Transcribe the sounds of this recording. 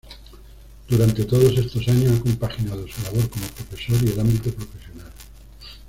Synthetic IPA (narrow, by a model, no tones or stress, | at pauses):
d̪̥uɾant̪e̞t̪oðo̞se̞st̪o̞saɲosako̞mpaxinað̞osulaβ̞o̞ɾkomopɾo̞fe̞so̞ɾie̞lambit̪opɾo̞fe̞sjonal